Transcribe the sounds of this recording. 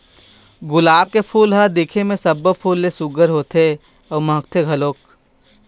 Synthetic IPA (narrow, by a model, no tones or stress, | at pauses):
ɡʊlaːb̚kepʰuːlɦəd̪ekʰemẽsɐbːəpʰuːlːesʊɡəɾɦoːt̪e | ɔːmə̃kt̪ʰeɡʱɐloːk